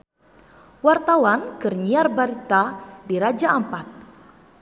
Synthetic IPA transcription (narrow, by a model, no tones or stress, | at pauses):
wart̪awankɨrɲiarbaɾit̪adiɾad͡ʒaʔəmpat̪̚